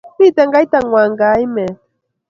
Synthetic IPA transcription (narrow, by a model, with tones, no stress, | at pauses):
mi˦˨t̪ɛ˨ŋɡa˦jt̪a˨ŋwa˨ŋɡa˨˦i˦mɛ˨